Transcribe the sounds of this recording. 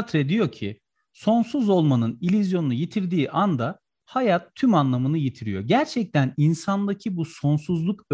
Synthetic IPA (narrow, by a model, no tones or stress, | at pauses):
t̪ɾɛd̪ijo̞cʰi | so̞nsuzo̞lˠmanɯnilʲyzjo̞nunujet̪ʰiɾd̪iːʔand̪a | hajat̪ʰːymanlˠamɯnɯjet̪ʰiɾijo̞̰ɟæɾt͡ʃʰɛc̚t̪ʰæninsand̪acʰibuso̞nsuzlˠuk